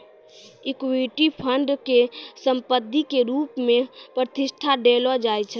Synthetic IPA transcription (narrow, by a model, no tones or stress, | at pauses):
ikwiʈipʰəɳɖkesəmpəd̪ʱːikeɾupmepɾt̪iʃʈʰaɖelɔd͡ʒajt͡ʃʰə